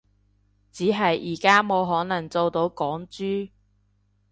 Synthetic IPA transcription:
t͡siː˨˥ɦɐ˨jʔiː˨˩kaː˥moː˨˧wɦɔː˨˥nɐ˨˩ŋt͡so˨wt̪o˨˧˥wkɔː˨˥ŋt͡syː˥

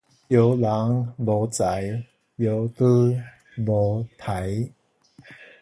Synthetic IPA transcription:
jo˨˦wla˨˦ŋbɔ˨˦t͡sa˨˦j | jo˨˦wt̪ɨ˦ | bo˨˦t̪ʰa˨˦j

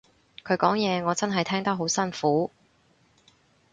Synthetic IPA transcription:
kʰɵ˨˧ɥkɔː˨˥ŋjɛː˨˧ŋɔː˨˧t͡sɐ˥nɦɐ˨jt̪ʰɛː˥ŋt̪ɐ˥k̚ɦo˨˥wsɐ˥nfuː˨˥

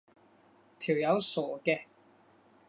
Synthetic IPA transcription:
t̪ʰi˨˩wjɐ˨˧wsɔː˨˩kɛː˧

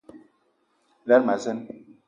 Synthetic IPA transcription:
la˦ɾma˨zɛ˦n

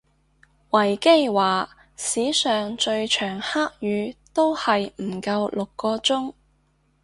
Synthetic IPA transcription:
wɐ˨˩jke˥jwaː˨˩ | siː˨˥sœː˨ŋt͡ʃɵ˧ɥt͡ʃʰœː˨˩ŋhaː˥k̚jyː˨˧˥t̪o˥whɐ˨jm̩˨˩kɐ˧wlʊ˨kːɔː˧t͡sʊ˥ŋ

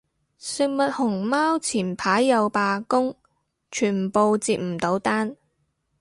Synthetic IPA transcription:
sɪ˨k̚mɐ˨t̚hʊ˨˩ŋmaː˥wt͡sʰiː˨˩npʰaː˨˥jːɐ˨˧wpaː˧kʊ˥ŋ | t͡ʃʰyː˨˩npo˨wt͡siː˨˧t̚m̩˨˩t̪o˨˥wt̪aː˥n

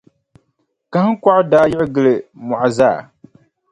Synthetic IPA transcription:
ka˦hɨ˦ŋ˦kʷa˦ʔdaː˦jɪ˦ʔɪ˦ɡɨ˦lɨ˨mɔ˨ʔa˨zaː˦˨

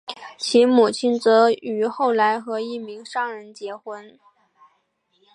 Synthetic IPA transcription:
t͡ɕʰi˧˥mu˨˩t͡ɕʰi˥nt͡sɤ˧˥y˧˥xo˥˩ʊla˧˥ɪxɤ˧˥i˥˩mi˧˥ŋʂɑ˥˩ŋɻə˧˥nt͡ɕjɛ˧˥xwə˥n

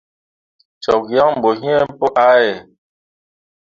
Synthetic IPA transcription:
t͡ʃɔ˨kja˦ŋm̩˨bo˨ɦĩ˦ɛ˦m˦po˦ʔa˦e˨

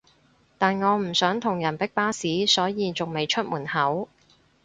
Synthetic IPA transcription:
t̪aː˨nŋɔː˨˧m̩˨˩sœː˨˥ŋt̪ʰʊ˨˩ŋjɐ˨˩npɪ˥k̚paː˥siː˨˥sɔː˨˥jiː˨˧t͡sʊ˨ŋme˨jt͡ʃʰɵ˥t̚muː˨˩nhɐ˨˥w

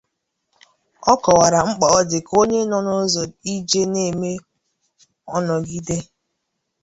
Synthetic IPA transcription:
ɔ˦kɔ˨wa˨ɾa˨ŋ͡m̩˦k͡pa˨ɔ˦dɪ˨ko˦ɲe˦nɔ˦no˦zɔ˨i˦d͡ʒe˦ne˦˨me˦ | ɔ˦nɔ˨ɡi˦de˦

